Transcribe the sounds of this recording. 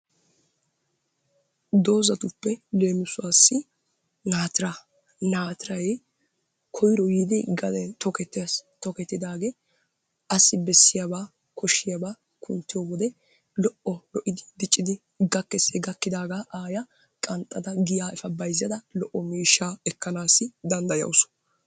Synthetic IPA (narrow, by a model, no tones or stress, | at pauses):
d̪o̞ːzɐt̪ʊpːɛle̞ːmʊsʊwaːsːɪ | naːt̪ɪɾa | naːt̪ɪɾɐj | kʰɔjɾɔjiːd̪ɪɡɐd̪ɛt̪ɔkɛt̪ːst̪ɔkɛt̪ːɪd̪aːɡeː | ɐsːɪbɛsːɪjabaː | kɔʃːɪjabaː | kʰʊnt̪ːɪjoːwɔd̪ɛ | lɔʔːɔlɔʔɪd̪ɪd̪ɪt͡ʃʼːɪd̪ɪ | ɡɐkːɛsɛɡɐkːɪd̪aːɡaːʔaːjɐ | kʼɐnt̪ʼːɐd̪ɐɡɪjaːʔɛfɐbɐjzːɐd̪ɐlɔʔːɔmiːʃːaːɛkːɐnaːsːɪd̪ɐnd̪ɐjɐ̰wʊsɔ̥